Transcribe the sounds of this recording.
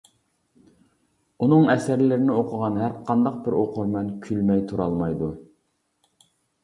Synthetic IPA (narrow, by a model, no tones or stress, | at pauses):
unɨŋɛsæɾlɪɾɪnɪoqʰʊʁɑnɦæɾqʰɑnd̪ɑq̚bɪɾoqʰʊɾmɛnkʲʰylmɛjt̪ʰuɾɑlˠmɑjd̪u